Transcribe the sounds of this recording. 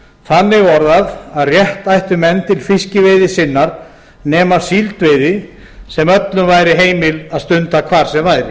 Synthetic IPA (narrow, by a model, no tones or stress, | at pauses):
θanːɪɣɔɾðaðaðrjɛht̪ajht̪ʏmɛnːt̪ɪlfɪscɪvɪjðɪsɪnːaɾ | nɛːmḁsiːlt̪vejðɪ | sɛmœt̪lʏmvaːjɾɪɦeːjmɪlaðst̪ʏnt̪akʰvaːɾ̥sɛmvaːjɾɪ̰